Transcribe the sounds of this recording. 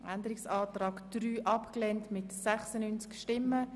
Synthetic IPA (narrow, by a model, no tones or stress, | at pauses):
ʔændəɾɪksɑːtrɑːkd̪̥ryːʔɑpklɛntmɪtsɛχsənynt͡skʃtɪmːə